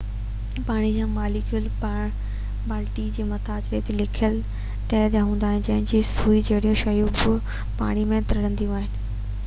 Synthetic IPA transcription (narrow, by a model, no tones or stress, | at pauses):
paːɽ̃id͡ʑãːmaːlɪkʰijʊlpaːɽ̃ | baːlʈid͡ʑeːmɐt̪aːt͡ɕɾet̪elɪkʰəl | t̪ɛːt̪jaɦũːnd̪aːɦɪnɪ̆d͡ʑɐɦɪnɪd͡ʑiːsuːid͡ʑɐɦɪɽijũʃɐjubʊ | pa̰ːɽ̃imẽt̪ɐɾɐɽə̃nd̪ijũaːɦɪnɪ̆